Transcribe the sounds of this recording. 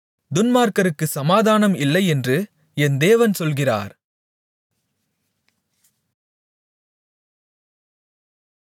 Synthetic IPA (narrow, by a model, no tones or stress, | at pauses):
d̪ʊnmaːɾkɐɾɯkːɯsɐmaːðaːnɐmɪlːɐɪɛndrɯ | ɛnd̪eːʋɐnsɔlɣɪra̰ːɾ